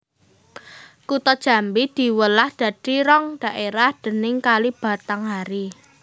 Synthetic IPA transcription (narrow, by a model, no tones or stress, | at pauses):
kut̪ɔd̥ʒ̥a̤mbid̪̥i̤wəlahd̪̥ä̤d̪̥i̤ɾɔŋɖ̥a̤ʔeɾahd̪̥ə̤nɪŋkalib̥ä̤t̪aŋɦaɾi